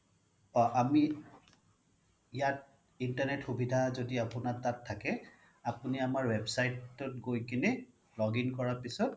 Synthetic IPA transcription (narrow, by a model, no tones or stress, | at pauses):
ɔʔami | ijat̚ | intaɹnɛtxubidʱazodiapunatːatʰːakɛ | apuniamaɹwɛbsajtːʊtɡojkini | lɔɡinkɔɹapisɔt̚